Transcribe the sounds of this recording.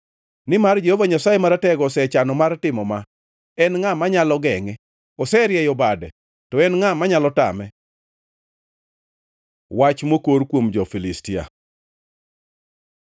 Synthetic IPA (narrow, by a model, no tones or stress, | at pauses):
nɪmard͡ʒehovaɲasajemaɾatɛɡɔsɛt͡ʃanɔmartɪmɔma | ɛnŋamaɲalɔɡɛŋɛ | ɔsɛɾjɛjɔbadɛ | tɔɛnŋamaɲalɔta̰mɛ | wat͡ʃmokoɾkwomd͡ʒɔfilistia̰